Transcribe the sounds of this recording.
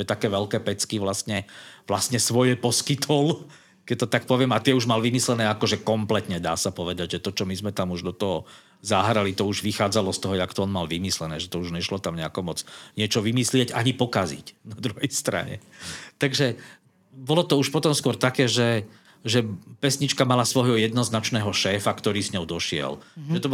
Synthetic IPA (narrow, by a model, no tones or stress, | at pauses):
ɛt̪akɛːʋɛlkɛːpɛt͡skiʋlast̪ɲɛʋlast̪ɲɛsʋɔjɛpɔskit̪ʰɔl | kɛc̚t̪ɔt̪akpɔʋɪɛmat̪ɪɛuʒmalʋimislɛnɛːakɔʒɛkɔmplɛt̪ɲɛd̪aːsapɔʋɛd̪aɟʒɛt̪ɔt͡ʃɔmizmɛt̪amuʒd̪ɔt̪ɔɦɔ | zaɦɾalit̪ɔuʒʋixaːd͡zalɔst̪ɔɦɔjɛakt̪ɔɔnmalʋimislɛnɛːʒɛt̪ɔuʒɲɛʃlɔt̪amɲɛakɔmɔd͡zɲɪɛt͡ʃɔʋimislɪɛɟaɲipɔkazḭcnad̪ɾuɦɛjst̪ɾa̰ɲɛ̰t̪aɡʒɛ | bɔlɔt̪ɔuʃpɔt̪ɔmskʊɔɾt̪akɛːʒɛ | ʒɛpɛsɲit͡ʃkamalasʋɔɦɔjɛd̪nɔznat͡ʃnɛːɦɔʃɛːfakt̪ɔɾiːzɲɔʊd̪ɔʃɪɛ̰lʒɛt̪ɔb